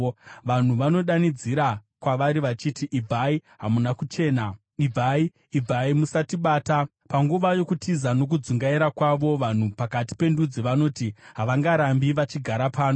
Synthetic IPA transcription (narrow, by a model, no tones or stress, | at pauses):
ʋan̤uʋano̞ɗanid͡ziɾakwaʋaɾiʋat͡ʃitiʔib͡vʱaiɦamunakut͡ʃe̞ːna | ivʱaiː | vʱaimusatiɓaːta | paŋɡuʋajo̞kutizano̞k̬ud͡zuŋɡaiɾakwaʋo̞ʋan̤upakati̥pe̞ndud͡zeʋano̞ːtiɦaʋaŋɡaɾambiʋat͡ʃiɡʱaɾapaːno